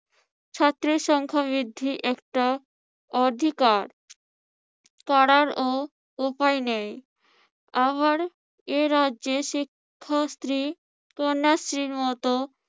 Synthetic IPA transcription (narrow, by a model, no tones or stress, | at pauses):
t͡ɕʰat̪ːɾiɾʃɔŋkʰabɾid̪ʱːiʔɛkʈa | ɔd̪ʱikaɾ | kaɽaɾo | upajnej | aβaɾ | eɾad͡ʑeʃikʰːast̪ɾi | konːast̪ɾiɾmɔt̪o